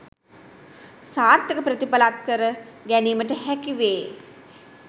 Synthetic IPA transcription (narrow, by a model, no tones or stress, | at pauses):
saːɾt̪jəkəpɾət̪ipalat̪̚kəɾəɡæniːməʈəhækiʋeː